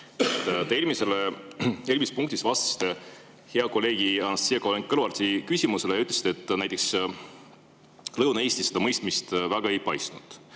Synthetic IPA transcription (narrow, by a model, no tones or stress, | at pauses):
et̪ːˑt̪ermiseleermispuŋkt̪isvɑst̪ɑ̥st̪e | he̞ɑko̞lːe̞ːɡ̥iɑnɑsijekolenkɤlvɑrt̪ʲikysʲimuse̞lejɑyt̪ːˑlesid̪̥e̞t̪ˑːnæjt̪ːˑe̞ks | lɤwnɑesʲt̪ised̥̪ɑmɤjst̪mist̪væɡ̥ɑe̞jpɑjsnud̪̥